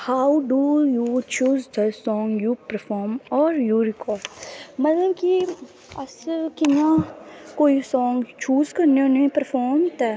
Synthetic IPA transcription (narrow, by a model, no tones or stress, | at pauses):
haːwɖujut͡ʃuːzd̪əsɔ̃ːŋɡjupəɾfʰɔːɾmɔːɾjuɾɪkʰɔːmɐt̪ləbki | ɐskinãkoːisɔ̃ːŋɡt͡ʃuːzkɐɾneʊnẽpəɾfʰɔːɾmt̪ɛː